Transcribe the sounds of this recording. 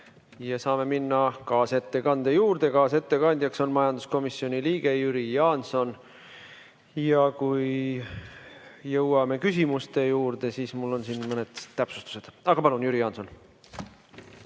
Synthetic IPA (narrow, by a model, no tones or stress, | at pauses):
jɑsɑːme̞minːɑkɑːse̞t̪ːe̞kɑnd̪̥ejuːɾd̪̥e̞kɑːse̞t̪ːe̞kɑnʲd̪jɑkso̞nmɑjɑnd̪̥usko̞misːjo̞nʲiliːɡ̥e̞jyɾijɑːnso̞n | jɑkuj | jɤwɑme̞kysʲimust̪e̞juːɾd̪̥e̞siːsmulːo̞nsinmɤned̪̥t̪æpsu̥st̪u̥se̞d̪̥ɑɡ̥ɑpɑlunjyɾijɑnso̞n